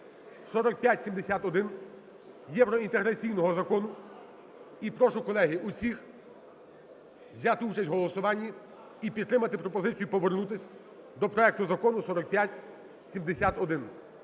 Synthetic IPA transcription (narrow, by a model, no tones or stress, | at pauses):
sɔɾɔk̚pʲjatʲsʲimd̪esʲat̪ɔd̪ɪn | jɛʋɾɔint̪eɦɾɐt͡sʲijnɔɦɔzɐkɔnʊ | ipɾɔʃʊkɔlˠɛɦɪʔusʲix | ʋzʲat̪ɪut͡ʃɐsʲtʲɦɔlˠɔsʊʋɑnʲːi | ipʲid̪ːɾɪmɐt̪ɪpɾɔpɔzɪt͡sʲijʊpɔʋernut̪ɪsʲ | d̪ɔpɾɔɛk̚t̪ʊzɐkɔnʊsɔɾɔk̚pʲjatʲ | sʲimd̪esʲat̪ɔd̪ɪn